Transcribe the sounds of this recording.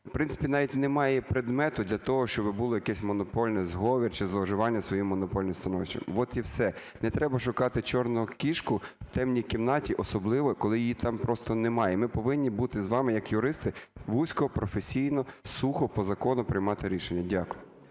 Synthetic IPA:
pɾɪnɪ̥pʲinɑʋʲitʲnɛmɑjɛpɾed̪mɛt̪ʊd̪lʲɐt̪ɔɦɔʃt͡ʃɔbɪbʊlˠɔjɐkɛsʲmɔnɔpɔlʲnɛzɦɔʋʲirt͡ʃɪzlˠɔʒɪʋɑnʲːɐsʋɔjimːɔnɔpɔlʲnɪmst̪ɐnɔʋɪʃt͡ʃɐ̰mʋɔt̪iwsɛ | nɛt̪ɾɛbɐʃʊkɑt̪ɪt͡ʃɔrnʊɦʊkʲiʃkʊw̥t̪ɛmnʲijkimnɑtʲiʔɔsɔblˠɪʋɔkɔlˠɪjijit̪ɑmpɾɔst̪ɔnɛmɑjɛmɪpɔʋɪnʲːibut̪ɪzʋɑmɪjɐkjʊɾɪst̪ɪʋusʲkɔɦɔpɾɔfesʲijnɔsuxɔpɔzɐkɔnʊpɾɪjmɑt̪ɪɾʲiʃenʲːɐdʲakʊjʊ

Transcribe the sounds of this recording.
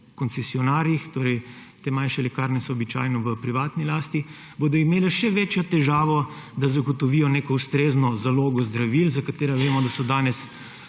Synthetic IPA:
kɔnt̪sɛsiɔnaːɾjixt̪oːɾɛjt̪eːmanʃɛlɛkaːɾnɛsɔːbit͡ʃa̰ːjnɔʋəpɾiʋaːt̪nilaːst̪i | boːd̪ɔimeːlɛʃɛʋeːt͡ʃjɔt̪ɛʒaːʋɔ | d̪azaɡɔt̪ɔʋiːjɔneːkɔust̪ɾeːznɔzaloːɡɔzd̪ɾaʋilzakat̪eːɾaʋeːmɔd̪asɔd̪aːnɛs

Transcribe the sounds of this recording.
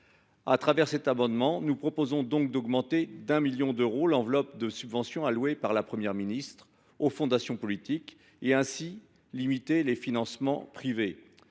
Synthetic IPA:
at̪χavɛʁsɛt̪amɑ̃d̪mɑ̃nupχɔpozɔ̃d̪ɔ̃k̚d̪ɔɡmɑ̃t̪ed̪ɛ̃miljɔ̃d̪øʁolɑ̃vlɔp̚d̪əsybvɑ̃sjɔ̃alwepaʁlapχəmjɛʁminist̪χ | ofɔ̃d̪asjɔ̃pɔlit̪ik | eɛ̃si | limit̪elefinɑ̃smɑ̰̃pχive

